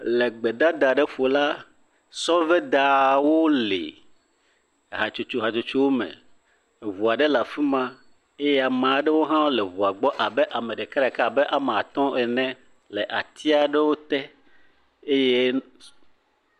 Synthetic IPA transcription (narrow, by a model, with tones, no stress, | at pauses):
le˨ɡ͡be˨da˦d̪a˨ɖe˦ɸo˨la˦ | sɔ˦vɛ˦d̪a˨wo˦lḛ˨ | ɦa˨t͡ʃu˨t͡ʃu˦ɦa˨t͡ʃu˨t͡ʃu˦wo˦mɛ̰̃˨ | vu˨a˨ɖɛ˦la˨fi˦mã˦ | e˦jɛ˦a˨mã˨˦ɖɛ˦wo˦ɦã˦wle˨vu˨a˨ɡ͡bɔ˦ʔa˨bɛ˦ʔa˨mẽ˨ɖe˨ka˦ɾa˨ka˦˨bɛ˦ʔa˨me˨a˨t̪ɔ̃˦ɛ˨nɛ̃˦ | lɛ˨ʔa˨t̪ʰi˦a˨ɖe˦wo˦t̪ɛ˦ | e˦je˦